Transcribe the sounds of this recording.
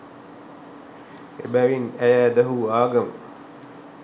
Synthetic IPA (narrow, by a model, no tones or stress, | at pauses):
ebæʋinæjæːd̪ɐɦuaːɡɐm